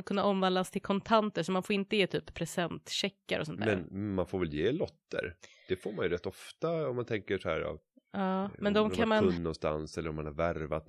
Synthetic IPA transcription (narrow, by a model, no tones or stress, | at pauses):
kʰɵnːaɔmːvand̪ast̪ʰɪlkʰɔnt̪ʰant̪əʂɔmanfoːɾɪnt̪əjeːt̪ʰyːpʰːɾɛsɛnt̪ɕɛkːa̰ɾʔɔ̰sɔnt̪mʰːɛnɾnmanfoːɾvɛljeːlɔt̪ːə̰ɾd̪̥ɛfoːɾmanjɵɾɛt̪ːɔft̪aɔmːant̪ʰɛŋkəʂɔhæ̰ːɾa̰v | ɑːmɛnd̪ɔmkʰaanmanɵnːɔnst̪a̰nsɛlːəɾɔmːanhaɾvæɾva̰t̪̚